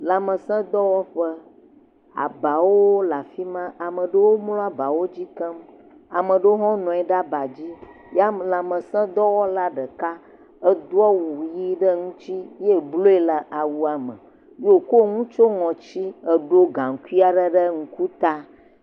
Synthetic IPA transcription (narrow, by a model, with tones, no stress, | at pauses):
la˨mə˨sɛ̃˦d̪ɔ˦wɔ˦ɸə˦ | a̰˨ba˨woo˦la˨fi˦mã˦ʔa˨mə̃˨ɖə˦wo˦mlɔ˦a˦ba˨wo˦d͡ʑi˦kə˦m | a˨mə̃˨ɖə˦wo˦ɦɔ̃˦nɔ̃˨ɛ˨ɖa˦ba˨d͡ʑi˦ | ja˦la˨mə̃˨sɛ̃˦d̪ɔ˦wɔ˦la˦ɖə˨ka˦ | ə˦d̪o˦ɔ˦wu˨ji˦ɖə˦ŋũ˦t͡ɕi˦je˦blo˦e˦lə˨ʔa˨wu˨a˨mə̰̃˨ | jo˦˨ko˦ŋũ˦t͡ʃo˦ŋɔ̃˨t͡ɕi˦ə˨ɖo˦ɡã˨ŋ˨ku˦i˦a˨ɖə˦ɖə˦ŋũ˦ku˦t̪a˦